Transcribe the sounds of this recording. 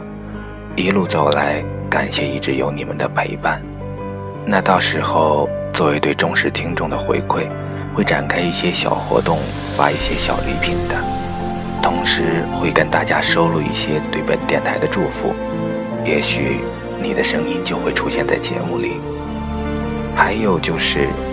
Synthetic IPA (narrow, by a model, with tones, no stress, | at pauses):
i˧˥lu˥˩t͡so˨˩ʊla˧˥ɪka̰˨˩nɕjɛ˥˧i˥˩ʈ͡ʂɻ̩˧˥jo˧˥ʊni˨˩mə˦nd̪ə˧pʰe˧˥ɪpa˥˩n | na˥˧t̪ɑ˥˩ʊʂɻ̩˧˥xo˥˧ʊt͡swɔ˥˩we˧˥ɪt̪we˥˩ɪʈ͡ʂʊ˥ŋʂɻ̩˥˩t̪ʰi˥ŋʈ͡ʂʊ˥˩ŋd̪ə˩xwḛ˧˥ɪkʰwe˥˩ɪ | xwe˥˩ɪʈ͡ʂa̰˨˩nkʰa˥ɪi˥˩ɕjɛ˥ɕjɑ̰˨˩ʊxwɔ̰˧˥t̪ʊ˥˩ŋ | fa̰˥i˥˩ɕjɛ˥ɕjɑ̰˨˩ʊlḭ˧˥pʰi˨˩nd̪ə˦ | t̪ʰʊ˧˥ŋʂɻ̩˧˥xwe˥˩ɪkə˥nt̪a˥˩t͡ɕja˥ʂo˥ʊlu˥˧ḭ˥˩ɕjɛ˥t̪we˥˩ɪpə˨˩nt̪jɛ˥˩nt̪ʰa˧˥ɪd̪ə˧ʈ͡ʂu˥˩fṵ˨˩˦ | jɛ˧˥ɕy̰˨˩ | ni˨˩d̪ə˦ʂɤ˥ŋi˥nt͡ɕjo˥˧ʊxwe˥˩ɪʈ͡ʂʰu˥ɕjɛ˥˧nt͡sa˥˩ɪt͡ɕjɛ̰˧˥mu˥˩lḭ˨˩˦ | xa˧˥ɪjo˨˩ʊt͡ɕjo˥˧ʊʂɻ̩˥˩